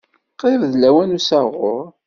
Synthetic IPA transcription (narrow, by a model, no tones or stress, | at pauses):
qevðlæwænusæʁʊɾˤ